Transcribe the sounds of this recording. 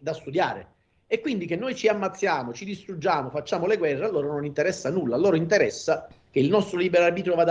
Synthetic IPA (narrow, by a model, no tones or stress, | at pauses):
d̪ast̪ud̪jaːɾɪ̰ | ɛkːwind̪ikenːojt͡ʃiamːat̪sːjaːmot͡ʃid̪ist̪ɾud͡ʒːaːmofat͡ʃːaːmoleɡwɛrːealːoːɾanonint̪ɛɾɛsːanulːalːoːɾoint̪ɛɾɛsːak̟eilnɔst̪ɾoliːbeɾarbiːt̪ɾovaːd̪